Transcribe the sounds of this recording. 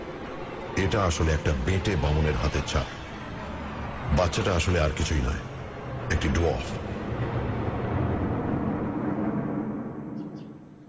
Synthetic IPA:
eʈaaʃoleɛk̚ʈabẽʈebamoneɾɦat̪et͡ɕʰa̰ɾ | batːʃaʈaaʃoleaɾkit͡ɕʰujnɔ̰e | ek̚ʈiɖuɔ̰f

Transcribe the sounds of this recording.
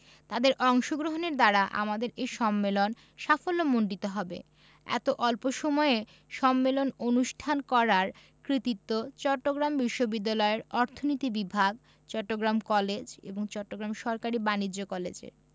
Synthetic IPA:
t̪ad̪eɾʔɔŋʃoɡɾoɦoneɾd̪aɾaʔa̰mad̪eɾeʃɔmːelon | ʃafolːomoɳɖit̪oɦɔbḛ | ɛ̰t̪oʔɔlpoʃɔmɔe | ʃɔmːelononuʃʈʰankɔɾaɾ | kɾit̪it̪ːot͡ɕɔʈːoɡɾambiʃːobid̪ːalɔeɾɔɾt̪ʰonit̪ibibʱaɡ | t͡ɕɔʈːoɡɾamkɔled͡ʑḛboŋt͡ɕɔʈːoɡɾamʃɔɾkaɾibanid͡ʑokɔlḛd͡ʑḛɾ

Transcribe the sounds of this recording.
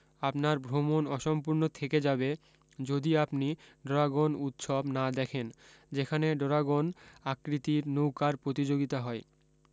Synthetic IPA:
apnaɾbʱɾomonɔʃɔmpuɾnot̪ʰeked͡ʑabe | d͡ʑod̪iapniɖoɾaɡonut̪ʃobnad̪ɛkʰen | d͡ʑekʰaneɖoɾaɡonakɾit̪iɾnowkaɾpɾot̪id͡ʑoɡit̪aɦɔe

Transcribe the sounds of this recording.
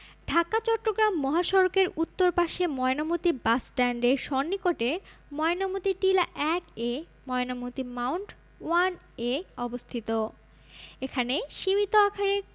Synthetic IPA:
ɖʱakat͡ɕɔʈːoɡɾamːɔɦaʃɔɾokeɾut̪ːoɾpaʃemɔenamot̪ibasʈɛɳɖeɾʃɔnːikoʈemɔenomot̪iʈilaʔɛke | mɔenamot̪imawɳʈ | wan | eɔbost̪ʰit̪o | ekʰaneʃimit̪oakʰaɾe

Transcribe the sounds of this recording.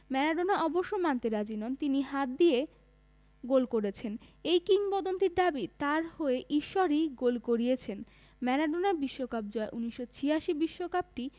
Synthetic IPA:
mɛnaɖonaʔɔboʃːomant̪eɾad͡ʑinɔnt̪iniɦat̪̚d̪ije | ɡolkoɾet͡ɕʰenejkiŋpɔd̪ont̪iɾd̪abit̪aɾhoeʔiʃːoɾiɡolkoɾiet͡ɕʰen | mɛnaɖonaɾbiʃːokap̚d͡ʑɔeʔuniʃːot͡ɕʰiaʃibiʃːokap̚ʈi

